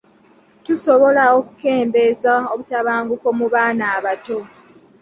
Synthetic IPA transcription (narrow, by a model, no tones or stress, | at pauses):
tuso̞βo̞laoku̥ke̞ːmbe̞zao̞βutaβaːŋɡuko̞muβaːnaːβato̞